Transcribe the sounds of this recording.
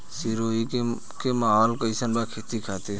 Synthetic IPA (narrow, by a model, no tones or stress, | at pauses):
siɾoːike | kemaːɦɔːlkəɪsənbakʰeːt̪ikʰaːt̪e